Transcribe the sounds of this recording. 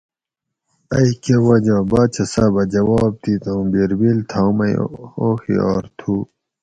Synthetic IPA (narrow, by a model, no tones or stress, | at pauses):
ɐikewɐd͡ʑaːbaːt͡ɕʰɐsɐbɐd͡ʑɐwɑːb̚t̪it̪õːbiɾbilt̪ʰamɐjoːxḭa̰ːɾt̪ʰu